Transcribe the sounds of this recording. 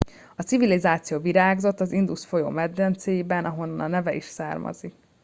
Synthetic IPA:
ɒtsivilizaːt̪sijoːviɾaːɡzo̞t̪ːɒzind̪usfo̞jo̰ːmɛd̪ːɛnt̪sejbɛnʔɒɦo̞nːɒnɒnɛvɛiʃsaːrmɒ̰zik

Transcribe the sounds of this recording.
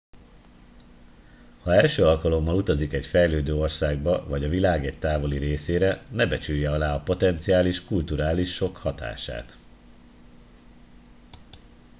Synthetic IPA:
hɒɛlʃøːɒlkɒlo̞mːɒlut̪ɒzikɛɟfɛjløːd̪øːo̞rsaːɡbɒvɒɟɒvilaːɡɛc̚t̪aːvo̞liɾeːseːɾɛnɛbɛt͡ʃyjːɛɒlaːɒpo̞t̪ɛnt̪sijaːliʃkult̪uɾaːliʃːo̞khɒt̪a̰ːʃa̰ːt̪

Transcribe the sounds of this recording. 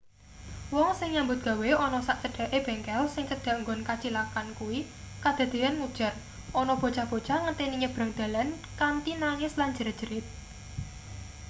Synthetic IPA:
wɔŋsɪŋɲambʊt̪̚ɡ̥a̤weɔnɔsaʔt͡ʃəɖ̥a̤ʔeb̥ɛ̤ŋkɛlsɪŋt͡ʃəɖ̥a̤ŋɡɔnkat͡ʃilakankuwi | kad̪̥ä̤d̪̥e̤anŋud̥ʒ̥ər | ʔɔnɔb̥o̤t͡ʃab̥o̤t͡ʃaŋət̪eniɲəb̥ɾa̤ŋd̪̥a̤lan | kant̪inaŋɪslaɲd͡ʒəɾad̥ʒ̥əɾɪt̪̚

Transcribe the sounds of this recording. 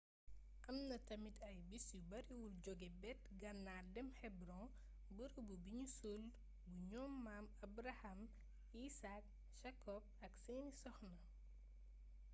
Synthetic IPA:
ʔɐmnɐtɐmitʰɐjbisubɐɾiwulɟɔɡɛbɛt̚ɡɐnːaːdɛmhɛbɾɔ̃ | bəɾububiɲusul | buɲɔmːamɐbɾɐhɐm | iːsak̚ | ʃakɔb̚ɐkseːnisɔxnɐ

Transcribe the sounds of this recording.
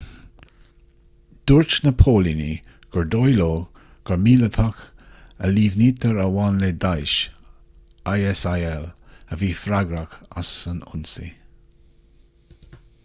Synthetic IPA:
d̪̥uɹt͡ʃnəpʰoːlini | ɡ̥əɹd̪ojloː | ɡ̥əɹmiːlət̪ʰaxəliːvniːt̪ʰəɹəwaːnleːd̪ajʃ | ajɛsajɛləviːfɾaɡɾaxa̰sənʊ̰nsḭ

